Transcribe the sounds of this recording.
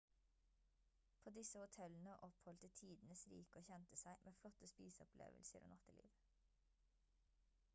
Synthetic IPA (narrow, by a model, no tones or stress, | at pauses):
pʰoːd̪ɪsəhʊt̪ʰɛln̩əʔɔphɔlt̪ət̪ʰiːd̪n̩əsɾḭːkəoːçɛnt̪əsæɪmʔeːflɔt̪əspiːsɔplʔḛːʋəlsə̰ɾo̰ːnɑt̪əlḭːʋ